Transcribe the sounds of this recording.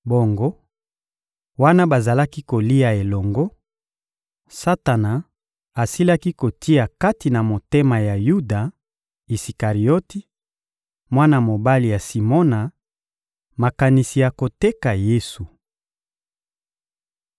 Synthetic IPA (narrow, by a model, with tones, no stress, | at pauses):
bo˨ŋɡo˦ | wa˦na˦ba˨za˨la˦ki˦ko˨li˦a˨e˨lɔ˨ŋɡo˦ | sa˦ta˨na˨ | a˨si˦la˦ki˦ko˨ti˦ja˨ka˦ti˨na˨mo˨te˦ma˨ja˨ju˦da˨ | i˨si˨ka˨ʁi˨o˦ti˦ | mwa˦na˨mo˨ba˦li˨ja˨si˨mɔ˦na˨ | ma˨ka˨ni˨si˨ja˨ko˨te˦ka˨je˦su˨